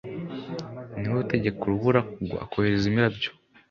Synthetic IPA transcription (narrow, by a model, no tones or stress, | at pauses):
niwuteɟe̞kuɾuβuɾakuɡo̰a̰koheɾezimiɾabjo̥